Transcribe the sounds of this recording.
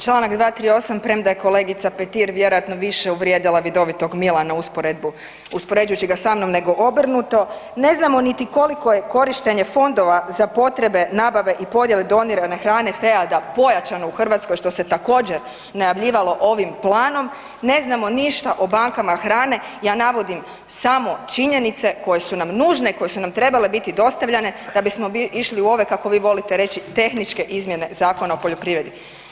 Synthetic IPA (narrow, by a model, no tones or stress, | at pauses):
t͡ʃlˠanakd̪ʋaːt̪ɾiːo̞sampɾemd̪ajeko̞le̞ɡit̪sapet̪iɾʋje̞ɾojat̪no̞ʋiʃeuʋɾjeːd̪ilaʋid̪o̞ʋit̪o̞ɡmilˠanauspoɾed̪bu | uspo̞ɾe̞d͡ʒujut͡ɕiɡasamno̞mne̞ɡo̞ʔobr̩nut̪o̞ne̞znamo̞nit̪iko̞liko̞je̞ko̞ɾiʃt̪e̞ɲe̞fo̞nd̪o̞ʋazapo̞t̪ɾe̞be̞naːbaʋe̞ʔipo̞d̪je̞led̪o̞niɾanaxɾaːnefe̞ad̪apo̞jat͡ʃano̞uxr̩ʋat̪sko̞jʃt̪o̞se̞t̪ako̞ːd͡ʑeɾ | najaʋʎiːʋalo̞ʔo̞ʋimplˠaːno̞m | ne̞znamo̞niʃt̪aʔobaŋkamaxɾaːne̞ | jaːnaʋo̞d̪im | samo̞t͡ʃiɲe̞nit̪se̞ko̞je̞sunamnuːʒne̞iko̞je̞sunamt̪ɾe̞bale̞bit̪id̪o̞st̪aʋʎane̞d̪abismo̞iiʃliuo̞ʋekako̞ʋiːʋo̞lit̪eɾe̞t͡ɕit̪e̞xnit͡ʃke̞ʔizmjene̞zaːko̞naopo̞ʎopɾiːʋɾed̪i